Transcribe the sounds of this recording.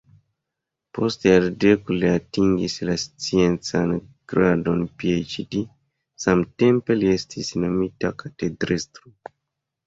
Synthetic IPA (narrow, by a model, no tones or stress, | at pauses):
postealdekuliatiŋɡislast͡sient͡sanɡ̥ɾadonpiejt͡ʃidi | samtempeliestʰisno̞mita̰kʰatedɾistɾu